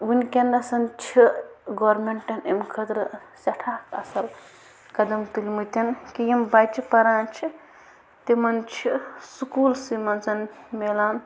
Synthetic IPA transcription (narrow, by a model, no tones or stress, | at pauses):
wunkendɐsɐnt͡ʃʰiɡoːɾmeɳʈɐnemkʰɐd̪ɾɨ | sɐʈʰaːkɐsɐl | kɐd̪ɐmt̪ulʲmut̪ʲɐnkijembajt͡ʃʰipɐɾaːnt͡ʃʰi | t̪emɐnt͡ʃʰisukuːlsimɐnzɐnmelan